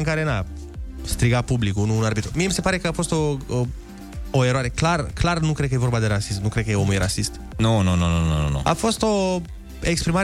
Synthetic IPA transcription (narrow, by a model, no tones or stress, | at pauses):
ɨŋkaɾe̞na | st̪ɾiɡapublikunuːnarbit̪ɾomiemise̞paɾe̞kəafo̞st̪o | oe̞ɾoaɾe̞klarklarnukɾed̪̚kəje̞vorbad̪e̞ɾasismnukɾed̪̚kəjeomujeɾasist̪ | nononononono̰no̰a̰fo̞st̪o̞ | ekspɾimaɾ